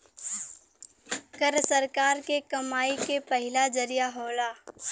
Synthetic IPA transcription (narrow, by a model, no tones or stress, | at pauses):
kəɾsəɾkaːɾkekɐmaːikepəɦɪlad͡ʒɐɾijaɦoːlaː